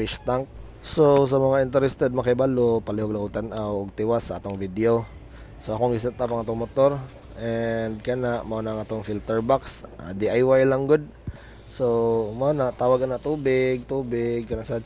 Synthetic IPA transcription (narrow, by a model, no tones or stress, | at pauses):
iʃt̪aŋk̚ | sos̬ɐmɐŋaʔɪnt̪ɛɾɛst̪ɛd̪̚mɐkajbalopalɪhoɡlaŋɡʊɡ̚t̪anʔawʊɡ̚t̪ɪwasaʔat̪oŋvid̪eo | soʔakoŋɡɪs̬ɛt̪ːapaŋat̪oŋmot̪oɾ | ʔɛnd̪̚kanaʔmaʔonaʔaŋʔat̪oŋfilt̪ɛɹbaksʔa̰d̪iʔajwajlaŋɡʊd̪̚ | somaonaʔt̪aːwaɡanaʔt̪uːbɪɡ̚t̪uːbɪɡ̚kɐnaʔsa